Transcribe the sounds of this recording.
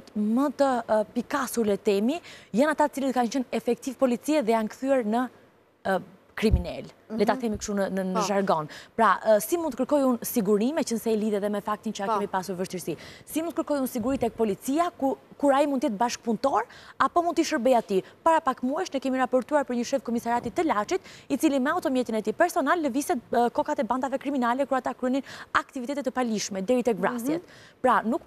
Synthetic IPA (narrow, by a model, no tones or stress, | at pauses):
t̪mət̪əpikasuɾlɛt̪ɛmijanat̪at̪ət͡silət̪̚kant͡ʃənɛfɛk̚t̪ivpɔlit͡siɛðɛjankθyɛɾnə | kɾiminɛl | lɛt̪aθɛmikʃt̪unənənəʒaɾɡɔnpɾasimunt̪əkəɾkɔjunsiɡuɾimɛt͡ʃənsɛiliðɛðɛmɛfak̚t̪int͡ʃəakɛmipasuɾvəʃt̪iɾsisimunt̪əkəɾkɔjunsiɡuɾit̪ɛɛk̚pɔlit͡siaukuɾaimunt̪jɛt̪̚baʃk̚punt̪ɔɾapɔmund̪t̪iʃəɾbɛjat̪ipaɾapakmuɛʃnɛkɛmiɾapɔɾt̪uaɾpəɾɲəʃɛfkɔmisaɾat̪it̪əlat͡ʃit̪it͡silimɛaut̪ɔmjɛt̪inɛt̪ipɛɾsɔnalːəvisɛt̪kɔkat̪ɛband̪avɛkɾiminalɛkuɾat̪akɾɛninakt̪ivit̪ɛt̪ɛt̪əpaliʃmɛd̪ɛɾit̪ɛɡvɾasjɛt̪pɾanuk